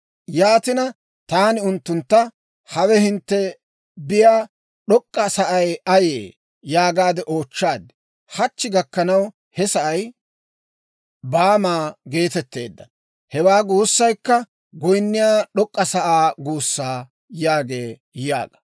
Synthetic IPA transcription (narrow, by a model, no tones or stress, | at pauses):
jaːt̪ɪnɐ | t̪aːnɪʊnt̪ːʊnt̪ːɐ | hɐwɛhɪnt̪ːɛ | bɪjaː | ɗɔkʼːɐsɐʔɐjɐjḛː | jaːɡaːd̪ɛʔoːt͡ʃːaːd̪ɪ | hɐt͡ʃːɪɡɐkːɐnɐw | hɛsɐʔɐj | baːmaːɡe̞ːt̪ɛt̪ːe̞̰ːd̪ːɐ | hɛwaːɡuːsːɐjkːɐ | ɡɔjnːɪjaːɗɔkʼːɐsɐʔaːɡuːsːaː | jaːɡe̞ː | ja̰ːɡ̥ɐ̥